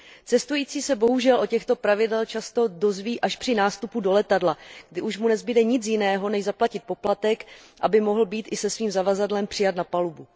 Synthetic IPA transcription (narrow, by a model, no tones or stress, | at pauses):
t͡sɛst̪ujiːt͡siːsɛbo̞ɦuʒɛlʔo̞cɛxt̪o̞pɾavɪdɛlt͡ʃast̪o̞do̞zviːʔaʃpr̥ɪnaːst̪upudo̞lɛt̪adlaɡ̥dɪʔuʃmunɛzbɪdɛɲɪt͡sjɪnɛːɦo̞nɛʒzaplacɪt̪̚po̞plat̪ɛk | ʔabɪmo̞ɦl̩biːt̪ʔɪsɛsviːmzavazadlɛmpr̥ɪjat̪napalubu